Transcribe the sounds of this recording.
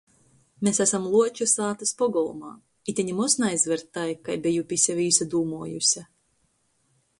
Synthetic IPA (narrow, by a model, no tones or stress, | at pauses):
mesæsamlˠuɔt͡ʃusaːt̪aspɔɡɔlˠumaː | it̪ʲiɲimusnajzvɛɾt̪ːajkajbʲijupʲisʲɛviːsad̪uːmuɔjṵsʲa